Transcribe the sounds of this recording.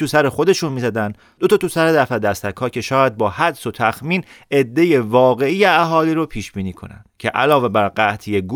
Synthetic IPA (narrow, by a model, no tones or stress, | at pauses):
t̪ʰusæɾexo̞d̪e̞ʃunmiːzæd̪ænd̪ | d̪o̞t̪ʰɒːt̪usæɾed̪æfæd̪æst̪ækhɒːcʰe̞ʃɒːjæd̪̚bɒːhæd̪so̞t̪ʰæxmiːne̞d̪ːe̞jevɒːɣe̞ijeæɦɒːliːɾopʰiːʃb̥iːniːkʰo̞̰næ̰nd̪̥cʰe̞̰ʔæ̰lɒːve̞bæɾɢæt̪ʰijeɡu